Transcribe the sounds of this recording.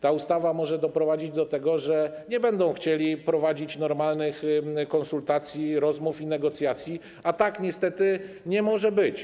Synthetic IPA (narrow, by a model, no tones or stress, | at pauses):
t̪aust̪avamɔʐɛd̪ɔpɾɔvad͡ʑid͡ʑd̪ɔt̪ɛɡɔʐɛ | ɲɛbɛnd̪ɔ̃w̃xt͡ɕelʲipɾɔvad͡ʑit͡ɕnɔɾmalnɘxkɔnsult̪at̪sʲjiɾɔzmufinɛɡɔt̪sʲjat̪sʲji | at̪akɲɛst̪ɛt̪ɘ | ɲɛmɔʐɛbɘt͡ɕ